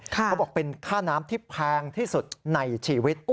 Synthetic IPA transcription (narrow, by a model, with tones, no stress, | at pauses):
kʰːbɔː˨˩k̚pe˧nkʰaː˥˩naː˦˥mt̪ʰiː˥˩pʰɛː˧ŋt̪ʰiː˥˩su˨˩t̪̚na˧jt͡ɕʰiː˨˩˦wi˦˥t̪̚